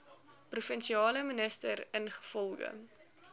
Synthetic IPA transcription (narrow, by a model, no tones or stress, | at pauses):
prufənʃiɑːləmənəstəɾənχə̥fɔlˠɣə̰